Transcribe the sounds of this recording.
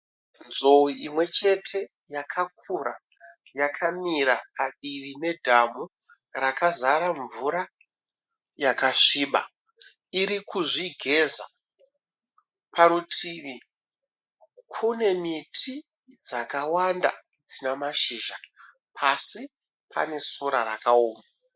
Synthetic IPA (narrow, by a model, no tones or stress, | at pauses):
nzo̞uimwe̞t͡ʃe̞tʰe̞ | jakʰak̚ura̰ | jakʰamiɾapaɗiʋine̞dʱamu | rakazaɾaɱvuɾa | jakaʂiːɓa̰ | iɾikuʐiɡʱe̞za̰ | paɾutʰiʋi | kʰune̞mitʰi | d͡zakawanda̰ | d͡zinamaʃiːʒa | pʰasi | pʰa̰ne̞soɾaɾa̰kaoːma